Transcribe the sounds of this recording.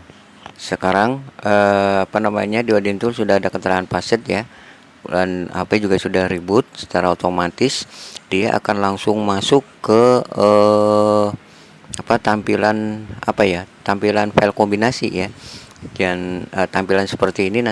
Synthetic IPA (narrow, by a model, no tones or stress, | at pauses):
səkaɾaŋəpanamaɲadiodint̪ʊlsudahadakət̪əɾaŋanpasət̪ja | ana̰pad͡ʒuɡasudahribʊt̪̚sə̥t͡ʃaɾaot̪omat̪ɪsdiaʔa̰kanlaŋsʊŋmasʊkːəə | apat̪ampilana̰pajat̪ampilanfaɛlkombinasija | d͡ʒanət̪ampilansə̥pərt̪iːnin